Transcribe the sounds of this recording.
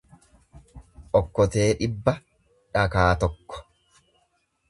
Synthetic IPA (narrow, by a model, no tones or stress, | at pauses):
ʔɔkːɔt̪e̞ːᶑɪbːɐ | ᶑɐkaːt̪ɔkːɔ̥